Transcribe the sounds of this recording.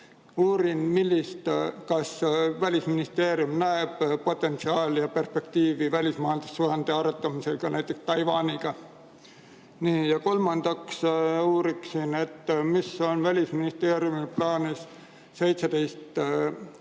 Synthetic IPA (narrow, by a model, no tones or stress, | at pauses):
uːɾinmilʲːist̪kɑsvælʲisminist̪e̞ːɾjumnæeb̥po̞t̪ːˑe̞nt̪siɑːljɑpe̞rspe̞k̚t̪iːvivælʲismɑːjɑld̪̥usːuhɑnd̪̥eɑɾet̪ːˑɑmise̞lkɑnʔæjt̪ːˑe̞kst̪ɑjvɑːniɡ̥ɑ | niːjɑko̞lmɑnd̪̥ɑksuːɾiksine̞t̪ːmiso̞nvælʲisminist̪e̞ːɾjumiplɑːnis | se̞jt̪sed̪̥e̞jst̪